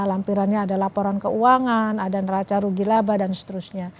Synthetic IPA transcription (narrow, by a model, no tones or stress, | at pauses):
lampiɾanɲaːdalapoɾankəuaŋanadanrat͡ʃaɾuɡilabadansə̥t̪əɾusɲa